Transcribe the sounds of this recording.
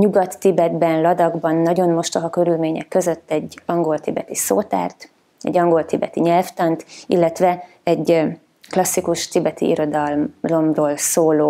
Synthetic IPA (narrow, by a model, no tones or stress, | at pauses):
ɲuɡɒt̪ːibɛd̪bɛnlɒd̪ɒɡbɒnːɒɟo̞nmo̞ʃt̪ɒɦɒkøɾylmeːɲɛ̰kːø̞zø̞t̪ːɛɟːɒŋɡo̞lt̪ibɛt̪iso̰ːt̪a̰ːrt̪ | ɛ̰ɟɒŋɡo̞lt̪ibɛt̪iɲɛlft̪ɒnt̪ilːɛt̪ʋɛ | ɛɟ | klɒsːikuʃt̪ibɛt̪ḭḭɾo̞d̪ɒllo̞mroːlsoːloː